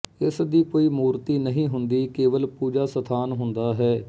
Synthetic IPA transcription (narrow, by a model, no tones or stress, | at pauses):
ɪsd̪iːkoːiːmuːɾt̪iːnəɦĩːɦʊnd̪iːkeːʋəlpuːd͡ʒaːsət̪ʰaːnɦʊnd̪aːɦɛː